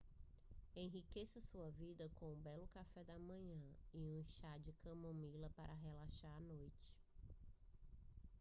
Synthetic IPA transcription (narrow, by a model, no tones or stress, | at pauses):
ẽɦikesɐsuɐvid̪ɐkõũbɛlʊkafɛd̪ɐmɐ̃ɲɐ̃iũʃad͡ʒɪkɐ̃mõmilɐpaɾʔɐɦelaʃaɾanojt͡ʃɪ̥